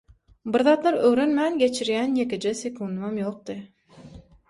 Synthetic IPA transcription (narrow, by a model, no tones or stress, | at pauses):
biɾðɑːt̪lˠɑɾøwɾønmænɡʲe̞t͡ʃʰiɾjænjeked͡ʒesʲekʰund̪mɑmjo̞q̚d̪ɯ